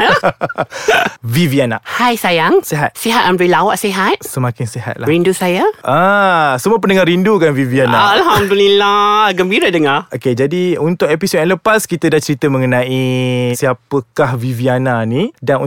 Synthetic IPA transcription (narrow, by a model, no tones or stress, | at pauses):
ə | viviana̰hajsajaŋseɦat̪̚seɦat̪̚ãndɾelawaʔseɦat̪̚səmãkɪnseɦa̰t̪̚laɾindusajaʔəsəmuəp̬əndəŋarindukanvivianaːlɦamdulilaɡəmbiɾadəŋaoked͡ʒadiunt̪ʊkepisotɛnləpaskit̪ədaht͡ʃəɾit̪əməŋənãʔisiapəkahviviananidan